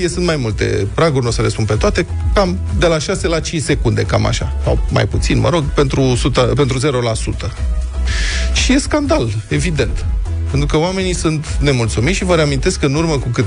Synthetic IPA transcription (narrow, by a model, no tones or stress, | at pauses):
jesunt̪majmult̪e̞̰pɾaɡurʲno̞səlespunpe̞t̪oat̪e̞ | kamd̪e̞laʃase̞lat͡ʃint͡ʃʲse̞kund̪e̞̰kama̰ʃa̰sa̰wma̰jput̪sinmə̰ɾo̞ɡpe̞nt̪ɾusut̪əpe̞nt̪ɾuze̞ɾo̞lasut̪ə | ʃije̞skand̪ale̞vid̪e̞nt̪pe̞nt̪ɾukəoame̞nisunt̪ne̞mult̪sumit̪ʃivəɾeamint̪e̞skɨnurməkukɨt̪